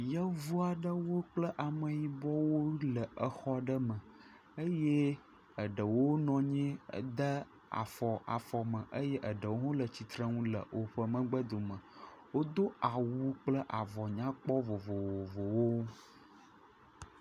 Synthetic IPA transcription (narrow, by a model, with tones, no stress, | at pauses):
jə˦vu˦a˨ɖə˦wo˦k͡plə˦ʔa˨mə̃˨ji˨bɔ˦wo˦lə˨ʔə˨xɔ˦ɖə˦mə̃˨ | ə˦jɛ˦ | ə˨ɖə˨wo˦nɔ̃˨ɲɛ̃˦˨d̪ə˦ | a̰˨fɔ˨a̰˨fɔ˨mə̃˨ʔə˦jɛ˦ʔə˨ɖə˨wo˦ɦõ˦lə˨t͡ɕi˨t̪ɾə̃˦ŋũ˦lə̰˨ʔo˨ɸə˦mə̃˦ɡ͡bə˦d̪o˨mə̃˨wo˦d̪o˦a˨wu˦k͡plə˦ʔa˨vɔ˨ɲã˦k͡pɔ˦vo˨vo˨wo˨vo˨wo˦